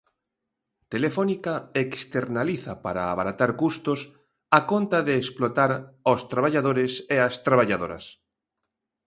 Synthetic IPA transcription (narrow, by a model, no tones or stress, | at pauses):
t̪elefɔnikaekst̪eɾnaliθapaɾa̰ːβaɾat̪aɾkust̪os | akont̪aðeːsplot̪aɾost̪ɾaβaʎaðoɾɪseast̪ɾaβ̞aʎaðoɾɐ̰s